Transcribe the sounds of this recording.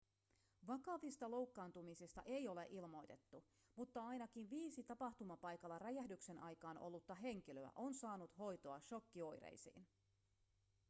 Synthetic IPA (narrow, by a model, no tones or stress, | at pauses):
ʋɑkɑʋist̪ɑlo̞wkːɑːnt̪umisist̪ɑ̰ʔe̞jo̞le̞̰ʔilmo̞jt̪e̞t̪ːu | mut̪ːɑɑjnɑkinʋiːsit̪ɑpɑht̪umɑpɑjkɑlːɑræjæhdykse̞nʔɑjkɑːnʔo̞̰lːut̪ːɑɦe̞ŋk̟iløæ̰ʔo̞nsɑːnut̪ho̞jt̪o̞ɑʃo̞kːio̞jɾḛjsḭːn